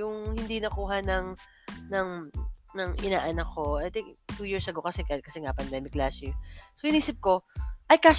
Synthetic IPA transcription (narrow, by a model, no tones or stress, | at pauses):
ʊŋhɪnd̪iːnɐkuːɦɐnɐŋ | nɐŋnɐŋʔɪnaːʔɐnɐko̞ʔajt̪ɪŋkt̪uːjiːɹsɐɡokɐsɛkkɐsɛŋapɐnd̪ɛmɪklasɪsoʔɪniːsɪp̚ko̞ʔɐjkaːs